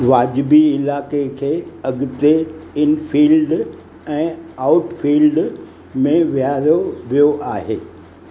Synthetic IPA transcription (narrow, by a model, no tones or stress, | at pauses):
ʋaːd͡ʑɪbiɪlaːkekʰeːɐɡɪt̪eɪnfʰiːlɖ | ɛ̃ːaːʊʈfiːlɖ | mẽʋijaːɾoʋijoʔaːɦeː